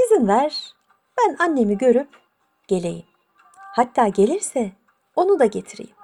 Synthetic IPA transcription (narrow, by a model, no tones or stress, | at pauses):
izinvæɾ̥ | b̥ænanːe̞miɟø̞ɾyp | ɟ̥e̞lʲe̞̰jim | hat̪ʰːaːɟe̞lʲiɾsɛ | o̞nud̪aɟe̞t̪ʰiɾḛjim